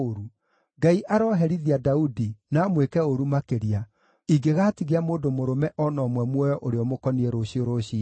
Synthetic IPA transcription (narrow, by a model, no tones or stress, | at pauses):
ɾu | ɡaiʔaɾɔɦɛɾiðiadaudinaːmwekɛoɾumakeɾia | iɡeɣaːtiɣeamoːndomoɾomɛʔɔnɔmwɛmwɔjɔʔoɾeɔmokɔnieɾoɕioɾoɕi